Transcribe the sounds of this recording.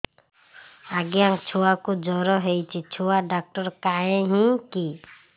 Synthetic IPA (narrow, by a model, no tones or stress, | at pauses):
aɡjaŋt͡ʃʰuakud͡ʒɔɾɔɦejt͡ʃʰit͡ʃʰuaɖak̚ʈɔɾkaẽɦĩki